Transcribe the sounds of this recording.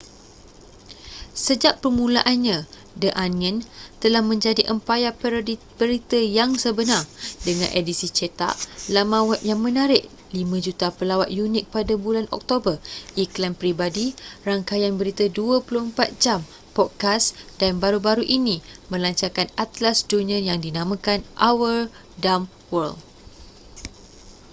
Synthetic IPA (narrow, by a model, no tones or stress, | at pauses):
səd͡ʒaʔpərmũlaʔanɲã | dəʔanə̃nt̪əlahmə̃ɲd͡ʒadiʔəmpajapəɾodi | bəɾit̪əjaŋsəbənardəŋã̰nʔedisit͡ʃət̪a̰ʔlamãwaʔ̚jaŋmə̃naɾɪʔ | limãd͡ʒut̪apəlawat̪̚junɪk̚padabulanʔɔ̰k̚t̪obərʔiklampɾibadiraŋkajanbəɾit̪əduəpuluhəmpat̪̚d͡ʒam | pɔt̪̚kasd̥anbaɾubaɾuʔinĩmə̃laɲt͡ʃarkanat̪lasd͡ʒunəjaŋdinãmãkanʔawər | dam | wəl